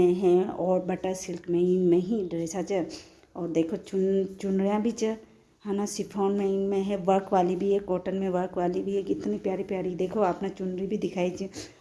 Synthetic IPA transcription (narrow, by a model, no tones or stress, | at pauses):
ẽɦɛ̃ɔːɾbɐʈəɾsɪlkmẽinmẽɦiɖɪɾeːsat͡ʃɛ | ɔːɾd̪eːkʰot͡ʃʊt͡ʃʊnɾijãbʱit͡ʃə | haːnasɪpʰɔːnmeinmẽɦɛ̃ʋɐɾkʋaːlibʱiɦɛkoːʈənmẽʋəɾkʋaːlibʱiɦɛkɪt̪nipjaːɾipjaːɾid̪eːkʰoaːpnat͡ʃʊnɾibʱid̪ɪkʰaːit͡ʃi